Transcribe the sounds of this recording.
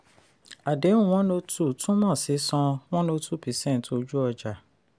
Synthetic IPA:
a˨de˨˦ũ˦˨ɔ̃˦no˧tu˦˨tũ˦mɔ̃˦˨si˨˦sɔ̃˧w̃ɔ̃˦no˧tʰu˦pi˨˦sɛ̃˦˨n˨to˧d͡ʒu˦ɔ˧d͡ʒa˨

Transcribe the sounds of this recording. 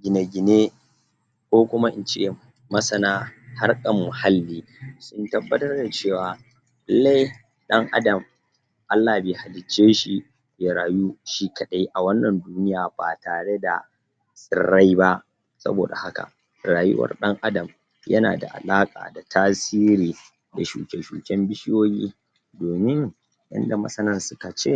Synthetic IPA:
ɡʲɪ˨ne˨ɡʲɪ˨ne˦ | kʷoː˦kʷʊ˦ma˦ʔɪ˨nt͡ʃe˦ | mɐ˦sɐ˨naː˦ha˦rkʼɐ˨mːʊ˨ha˦lːiː˦ | sʊ˦ntɐ˦bːɐ˦tɐ˦rda˨t͡ʃeː˦˨waː˨ | ɪ˦lːa˦j | ɗɐ˦ŋʔa̰˦dɐ˨m | ʔa˦lːaː˨beː˨ha˨lɪ˨t͡ʃːeː˦ʃi˨ | ja˨ɾaː˨ju˦ʃi˦kɐ˨ɗa˦jʔa˨wɐ˦nːɐ˨nduː˦nɪ˦jaː˨baː˨taː˨ɽe˦da˨ | sʼɪ̰˨rːa˦jba˦ʔ | sɐ̰˦bo̰ː˨da̰˨ha˦ka̰˨ | ɾaː˨jʊ̰˦wɐ̰˨rɗɐ˦ŋʔa˦dɐ˨m | jɐ̰˦na̰ː˨da̰˨ʔa̰˨laː˦kʼa̰ː˨da˨tʰaː˦siː˦ɾiː˨ | da˨ʃṵː˨kʲe˨ʃṵː˨kʲɛ˦mbɪ˦ʃɪ˦joː˦jḭː˦ | doː˨mɪ˦ŋ | jɐ̰˦nda˨mɐ̰˦sɐ˦nɐ˦nsʊ˦ka˨t͡ʃeː˦˨

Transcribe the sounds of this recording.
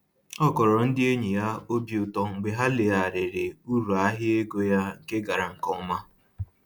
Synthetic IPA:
ɔ˦kɔ˨ɾɔ˨n̩˦dɪ˦e˦ɲi˨ja˦o˦bi˨ʊ˨tɔ˦ŋ̩˨ɡ͡be˨ɦa˦le˨a˨ɾɪ˨ɾɪ˨u˦ɾu˨a˦ɦɪ˦e˦ɡo˦ja˦ŋ̩˨ke˦ɡa˨ɾa˨ŋ̩˨kɔ˦ɔ˦ma˦

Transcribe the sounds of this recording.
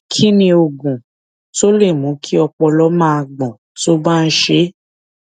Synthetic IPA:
kʰi˦nĩ˧o˨ɡũ˨ | to˦le˦˨mũ˨˦kʰi˦ɔ˧k͡pɔ˧lɔ˦mãː˦a˧˨ɡ͡bɔ̃˨ | to˦bã˦˧n̩˦ʃe˨˦

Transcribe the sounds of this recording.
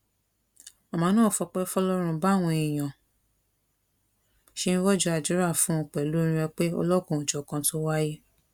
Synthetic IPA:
ɔ˨mã˨˦nãː˦˨fɔ˧k͡pɛ˦fɔ˦lɔ˦ɾ̃ũ˧ba˦˨w̃ɔ̃˧e˨j̃ã˨ | ʃe˦ñ̩˦wɔ˦d͡ʒu˦a˧˨d͡ʒu˨˦ɾa˦˨fũ˦˧˨k͡pɛ˨lu˨˦ɾ̃ĩ˧ɾɛ˧k͡pe˦ɔ̰˧lɔ˦kũ˦˨d͡ʒɔ˨kã˧to˦wa˦ji˦

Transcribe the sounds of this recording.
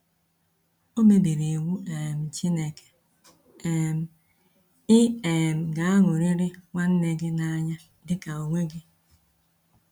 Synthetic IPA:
o˦me˨de˨ɾe˨wu˦e˨m̩˨t͡ʃi˦ne˨ke̥˨ | e˦˨m̩˦˨ | ɪ˦e˨m̩˨ɡa˨a˦ŋʊ˨ɾi˦ɾɪ˦ŋʷa˦n̩˦ne˦ɡɪ˦na˦ɲa˦ | dɪ˦ka˨o˨ŋʷe˦ɡɪ˦

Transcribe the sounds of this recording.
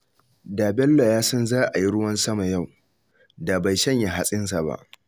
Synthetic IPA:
daː˨bɛ˦lːo˨jaː˦sɐ˦nzaː˦ʔa˨ji˦ɽʊ˦wɐ˦nsɐ˦ma˨ja˦˨w | da˨ba˨jʃɐ˦ɲja˨ɦa˦sʼɪ˦ns̬a˨ba̰˦ʔ

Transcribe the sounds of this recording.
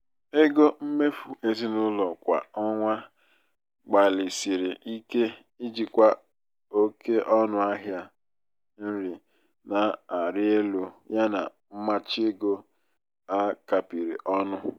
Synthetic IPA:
e˦ɡo˦m̩˦me˦fu˨e˦zi˦nʊ˦lɔ˨kʷa̰˨ɔ˦ŋʷa˦ | ɡ͡ba˨lɪ˨si˨ɾɪ˨i˦ke˦ | i˦d͡ʒi˨kʷa˨ | o˦ke˦ʔɔ˦nʊ˦a˦ɦja˦ | n̩˦ɾi˨ | na˨a˨ɾɪ˦e˦lu˨ja˦na̰˨m̩˦ma˦t͡ʃɪ˦e˦ɡo˦ | a˦ka˨pi˨ɾi˨ʔɔ˦nʊ˦

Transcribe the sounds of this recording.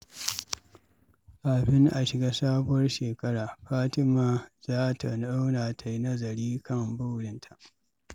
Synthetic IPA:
ʔa˨bɪ˦ŋʔa˨ʃɪ˨ɡaː˦saː˦bʊ˦wɐ˦rʃeː˨kɐ˦ɽaː˨ɸaː˦tɪ˦maː˨zaː˦ta˨na˦wnaː˨tʰa˨ji˦nɐ˦zɐ˨ɾiː˦kɐ˦˨mbʊ˦wɽɪ˨ntʰa˨ʔ

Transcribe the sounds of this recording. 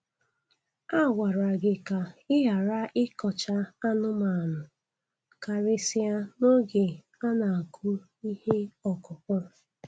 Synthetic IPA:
a˦˨wa˨ɾa˨ɡɪ˨ka˨ɪ˦ɦa˨ɾa˦ʔɪ˦kɔ˨t͡ʃa˦a˦nʊ˦ma˨a˨nʊ˨ | ka˨ɾɪ˨si˦a˦no˦ɡe˨ | a˦na˨a˨kʰu˦ | i˦he˦ɔ˨kʊ˨kɔ˦˨

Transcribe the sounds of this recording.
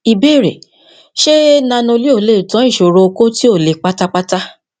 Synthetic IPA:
i˨be˦˨ɾḛ˨ | ʃe˦nã˧nõ˧li˦o˦˨le˦˨tɔ̃˨˦ĩ˦˨ʃo˨ɾo˧ko˦ti˦o˦˨le˨k͡pa˦ta˦k͡pa˦ta˦

